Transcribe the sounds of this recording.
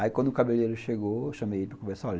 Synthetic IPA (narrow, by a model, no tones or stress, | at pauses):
aikwɐ̃nd̪ʊkabeleɾʊʃeɡoeʃɐ̃mejeiipɾɐkõmesal